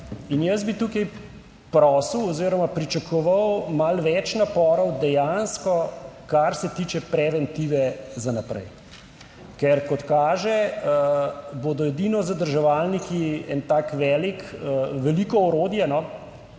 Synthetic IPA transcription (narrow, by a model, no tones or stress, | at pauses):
injɐs̬bit̪uːkɐj | pɾɔːsəwɔziɾɔmapɾit͡ʃɐkʰɔʋawmalʋɛt͡ʃnapɔːɾɔwd̪ɛjanskɔkaɾsɛt̪iːt͡ʃɛpɾɛʋɛnt̪iːʋɛzanapɾɛ̰j | kɛɾkɔt̪kaːʒɛəboːd̪ɔɛd̪iːnɔzɐd̪əɾʒɛʋalnikiɛnt̪aːkʋɛːlikəʋɛliːkɔɔɾoːd̪jɛnɔ